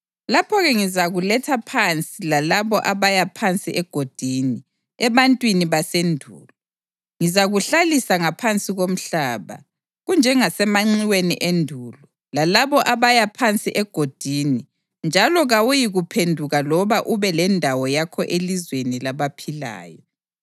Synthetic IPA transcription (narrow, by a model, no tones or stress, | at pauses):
lapʰɔɣɛŋizaɣulɛtʰapʰant͡sʼilalaβɔʔaβajapʰant͡sʼiʔɛɡ̥ʱod̥ʱiːni | ɛβantʼwiniβasendʱṵːlɔ | ŋizaɣuɬalisaŋapʰant͡sʼiɣom̩ɬaːβa̰ | ɣund͡ʒʱɛŋasɛmaŋ͡ǀiwenḭʔendʱuːlɔ | lalaβɔʔaβajapʰant͡sʼiʔɛɡ̥ʱod̥ʱini | nd͡ʒʱalɔɣawujiɣupʰendʱuɣalɔβaʔuβɛlɛndʱawɔjakʰɔʔelizwenilaβapʰila̰ːjɔ